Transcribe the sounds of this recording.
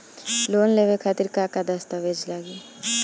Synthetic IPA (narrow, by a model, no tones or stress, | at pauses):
loːnleʋekʰat̪iɾkakad̪ast̪aʋed͡ʒlaɡi